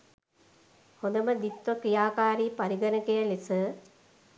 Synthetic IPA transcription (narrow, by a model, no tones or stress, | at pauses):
hõnd̪əməd̪it̪ʋəkɾijaːkaːɾiːpaɾiɡənəkejəlisə